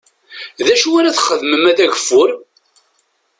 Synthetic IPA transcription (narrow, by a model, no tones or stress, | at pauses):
ðæʃuaɾaθχəðməmæðæʝəfːʊɾ